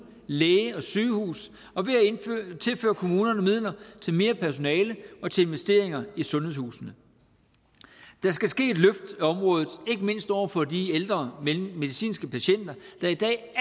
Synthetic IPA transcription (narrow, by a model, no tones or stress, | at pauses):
leːəɒ̽syːhṵːs | ɒ̽ʋe̝æt͡sʰe̝lfø̰ːɐkʰo̝muːnɐnɒmið̰ˠlɐt͡sʰe̝lme̝ːɐpʰæɐso̝nɛːləʔɒ̽t͡sʰe̝le̝nʋesd̥e̝ɐ̰e̝ŋɐisɔ̽nɦheðˠshṵːsnə | d̥æsɡ̥æsɡ̥e̝̰ːed̥løfd̥ɒ̽mʁɔ̽ːð̞ˠð̩ˠe̝ɡ̥əme̝n̰sd̥ɒ̰ʊ̰ɐfɒ̽d̥ield̥ʁɐmeːe̝ðˠisḭːnsɡ̥əpʰæɕen̰d̥ɐd̥ɑ̈id̥ɛ̰ː